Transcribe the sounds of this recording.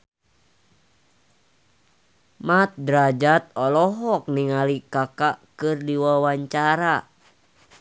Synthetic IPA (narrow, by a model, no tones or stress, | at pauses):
mat̪̚dɾad͡ʒat̪̚ɔlɔɦɔk̚niŋalikakakɨrdiwawaɲt͡ʃaɾa